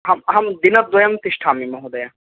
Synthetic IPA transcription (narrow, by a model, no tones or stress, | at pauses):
ɦamɦɐmd̪inad̪ɔjamt̪iʃʈʰamimɔɦod̪ɐja